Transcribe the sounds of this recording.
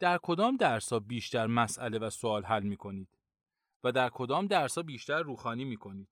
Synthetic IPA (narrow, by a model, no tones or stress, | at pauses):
d̪̥æɾkʰo̞d̪ɒːmd̪æɾsɒːbiːʃt̪æɾmæsʔæle̞væsoɒːlɦælmiːkʰo̞niːd̪̥ | væd̪æɾkʰo̞d̪ɒːmd̪æɾsɒːbiːʃt̪æɾːuːxɒːniːmiːkʰo̞niːd̪̥